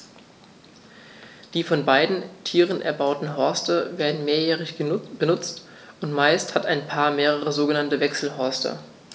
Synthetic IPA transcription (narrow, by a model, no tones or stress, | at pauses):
d̥iːfɔnbaɪdn̩tʰiːʁənʔɛ̰ɐbaʊtn̩ɦɔɐstəveːɐdn̩meːɐjɛːʁ̞ɪçb̥ənʊt͡st | ʊntmaɪsthataɪnpʰaːɐmeːʁ̞əʁ̞əzoːɡənantəvɛksl̩ɦɔɐstʰɐ̰